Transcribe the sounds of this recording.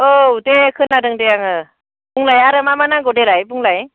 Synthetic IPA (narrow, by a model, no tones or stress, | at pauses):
oudekʰɯnadɯŋdejaŋɯ | buŋlajaɾɯmamanaɡɔdeɾajbuŋlaj